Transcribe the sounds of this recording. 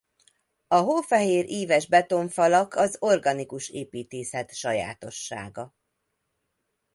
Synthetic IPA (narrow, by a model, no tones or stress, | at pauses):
ɒɦoːfɛɦeːɾʔiːvɛʒbɛt̪o̞ɱfɒlɒkʰɒzo̞rɡɒnikuʃeːpiːt̪eːsɛt̪ʃɒja̰ːt̪o̞ʃːa̰ːɡɒ